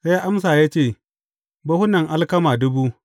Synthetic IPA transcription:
sa˦ja˦ʔa˦msaː˨jaː˦t͡ʃeː˦˨ | bɐ˦hʊ˦nɐ˨ŋʔa˦lkɐ˦maː˨dʊ˦buː˦

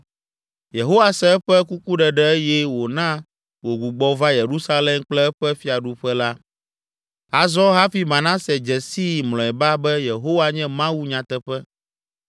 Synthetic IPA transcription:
je˨ɦo˦wa˨sɛ˦ɛ˦ɸɛ˦ku˦ku˦ɖɛ˨ɖɛ˦e˦jɛ˦wo˨nã˦ | wo˨ɡu˨ɡ͡bɔ˦va˦je˨ɾu˦sa˦lɛ˦mk͡plɛ˦ɛ˦ɸɛ˦fi˦a˨ɖu˨ɸɛ˦la˦ | a˨zɔ˦ɦa˦fi˦mã˨nã˦sɛ˨d͡ʒɛ˨si˦mlɔ̃˨ɛ˨ba˦bɛ˦je˨ɦo˦wa˦ɲɛ̃˦mã˦wu˦ɲã˨t̪ɛ˦ɸɛ˦

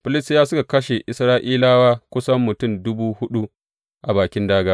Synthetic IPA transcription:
ɸɪ˦lɪ˦stjaː˦sʊ˦ka˨kɐ˦ʃe˨ʔɪ˨sɾaː˦ʔiː˦laː˦waː˦kʷʊ˦sɐ˦mːʊ˨tʊ˦˨mdʊ˦buː˦hʊ˦ɗu˦ | ʔa˨baː˨kʲɪ˦ndaː˦ɡaː˦

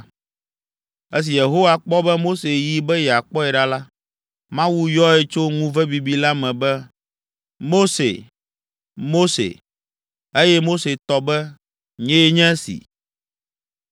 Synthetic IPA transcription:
e˦s̬i˨je˨ɦo˦wa˨k͡pɔ˦bɛ˦mo˦se˨ji˦bɛ˦jɛ˨a˨k͡pɔ˦ɛ˨ɖa˦la˦ | mã˦wu˦jɔ˦ɛ˦t͡ʃo˦ŋũ˦vɛ˦bi˨bi˦la˦mɛ̃˨bɛ˦ | mo˦sḛ˨ | mo˦sḛ˨ | e˦jɛ˦mo˦se˨t̪ɔ˦bɛ˦ | ɲɛ̃˦e˦ɲɛ̃˦sḭ˨

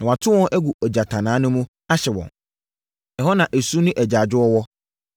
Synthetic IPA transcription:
nã˨wa˨tʰʊ̃˦wɔ̃˦nʔæ˦ɡu˨ɔ˨d͡ʑa˨tʰã˨nãː˨˦nʊ̃˦mũ˦ | a˦ɕɛ˨wɔ̰̃˨n | ɛ˨ɦɔ˦nã˨ʔe˨su˦nʊ̃˦ʔæ˨d͡ʑa˨d͡ʑʊ˦ɔ˦wɔ˦

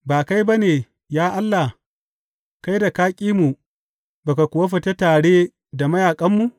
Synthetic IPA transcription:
baː˨ka˦jba˦neː˨ | jaː˦ʔa˦lːa˨h | ka˦jda˨kaː˦kʲʼiː˦mu˨ | ba˨ka˨kʷʊ˨a˦ɸ̬ɐ˨te˦taː˨ɽeː˦ | da˨mɐ˦jaː˨kʼɐ˦mːu˨

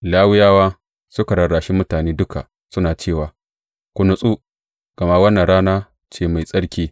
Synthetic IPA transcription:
laː˦wɪ˦jaː˦waː˦ | sʊ˦ka˨ɽɐ˨ɽaː˨ʃi˦mʊ˦taː˨neː˦dʊ˦kʰa̰˨ | sʊ˦naː˨t͡ʃeː˦˨waː˨ | kʷʊ˨nʊ˨sʼu˦ | ɡ̥ɐ˨ma˦wɐ˦nːɐ˨nɽaː˦naː˦ | t͡ʃeː˦˨ma˨jsʼɐ˦ɽkʲiː˦

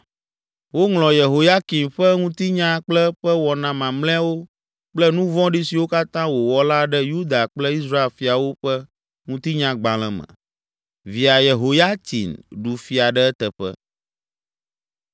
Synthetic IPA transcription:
wo˦ŋlɔ̃˨je˨ɦo˨ja˦ki˨mɸɛ˦ŋũ˦t̪i˦ɲã˦k͡plɛ˦ɸɛ˦wɔ˨nã˨mã˨mlɛ̃˦wo˦ | k͡plɛ˦nũ˦vɔ̃˦ɖi˦si˨wo˦ka˦t̪ã˦wo˨wɔ˦la˦ɖɛ˦ju˦d̪a˨k͡plɛ˦i˦sɾa˦e˦˨lfi˨a˨wo˦ɸɛ˦ | ŋũ˦t̪i˦ɲã˦ɡ͡bã˨l̃ɛ̃˨mɛ̰̃˨ | vi˨a˨je˨ɦo˨ja˦t̪ḭ˨nɖu˨fi˨a˨ɖɛ˦ɛ˦t̪ɛ˨ɸɛ̰˦

